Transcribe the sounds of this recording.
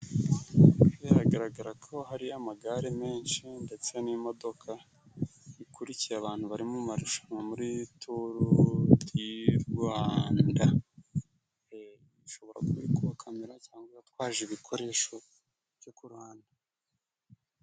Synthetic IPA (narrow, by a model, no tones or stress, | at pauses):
jaɾaɡaɾaɡaɾakʰo̞ɦaɾiamaɡaɾeme̞ːnʃinde̞t͡senimo̞do̞kʰa | ikʰuɾicijaːβaːn̥huβaɾimumaɾuʃḁŋamuɾitʰuɾujiɾɡwaːnda | e | iʃo̞βo̞ɾa̰kuβikuβakʰameɾacaːŋɡeatwaːʒeβikʰo̞ɾe̞ʃo̞ | vjokuɾwaːnda